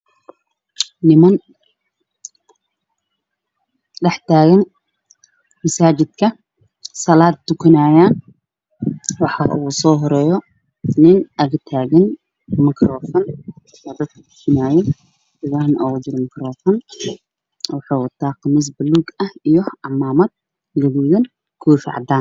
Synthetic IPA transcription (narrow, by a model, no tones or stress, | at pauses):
nɪmɐn | ɖɛħt̪ʰaːɣɐn | mɐsaːt͡ʃɪd̪kʰɐ | sɐlaːd̪̚d̪ʊkʰɐnaːjaːn | wɑħɑ̰ʔuːsɔːɦɔɾɛːjɔ | nɪnʔɐɣɐt̪ʰaːɣɐn | mɪkʰrɔːfɔn | sɐd̪ɐd̪̚kʰɐd̪ʊ̥kʰɐnaːjɔ | sɪɣanʔɔːd͡ʒɪɾmɪkrɔːfɔn | wɑħɑːwɐt̪ʰaːqɑmɪs̬bɐluɡɐhijɔɑmaːmɐd̪̚ | lɐɣuːðɐn | kʰuːfɪ̰ʕɑ̰d̪aːn